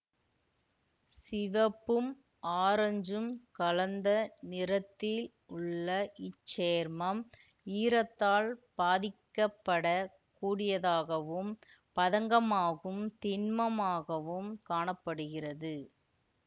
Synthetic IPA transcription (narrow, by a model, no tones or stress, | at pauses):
sɪʋɐpːɯm | ʔaːɾɐɲd͡ʒɯmkɐlɐnd̪ɐnɪrɐt̪ːɪl | ʊɭːɐʔɪt͡ʃːeːɾmɐm | iːɾɐt̪ːaːɭb̥aːðɪkːɐpːɐɽɐ | kːuːɽɪjɐðaːɣɐʋɯm | pɐðɐŋɡɐmaːɣɯmt̪ɪnmɐmaːɣɐʋɯmkaːɳɐpːɐɽɯɣɪrɐðɯ